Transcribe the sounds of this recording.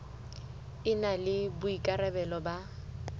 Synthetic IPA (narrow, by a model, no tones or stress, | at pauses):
ɪnalɪbʊikʼaɾɛbɛlɔba